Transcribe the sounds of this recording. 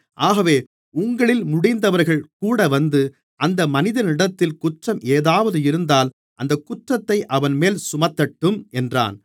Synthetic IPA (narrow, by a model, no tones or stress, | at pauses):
ʔaːɣɐʋeː | ʊŋɡɐɭɪlmʊɽɪnd̪ɐʋɐɾɣɐɭkuːɽɐʋɐnd̪ɯ | ʔɐnd̪ɐmɐnɪðɐnɪɽɐt̪ːɪlkʊʈrɐmʔeːðaːʋɐðɯɪɾɯnd̪aːl | ʔɐnd̪ɐkːʊʈrɐt̪ːɐɪʔɐʋɐnmeːlsʊmɐt̪ːɐʈːɯmʔɛndra̰ːn